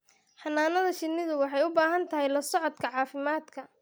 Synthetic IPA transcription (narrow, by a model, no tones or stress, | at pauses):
ħɑnaːnɐðɐʃɪnːɪðʊwɑħɑjʊbaːɦɐnt̪ʰɐɦɛjlɐsɔʕɔd̪kʰɐʕɑːfɪmaːd̪kʰɐ